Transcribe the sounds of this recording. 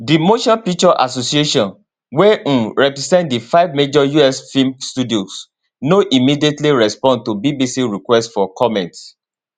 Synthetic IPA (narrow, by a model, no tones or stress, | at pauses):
dimoʃapit͡ʃɔʔa̰sosieʃɔ̃n | wɛ̃ɹɛpɹɛsɛ̃ntdifaɪvmed͡ʒɔjuɛsfĩmstudios | noʔimidietliɹɛspɔ̃n̚tubibisiɹikwɛstfɔkʰɔmɛ̃nts